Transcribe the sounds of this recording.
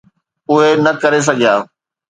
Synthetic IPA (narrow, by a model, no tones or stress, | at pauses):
ʊɦenɐkɐɾes̬ɐɡʱijaː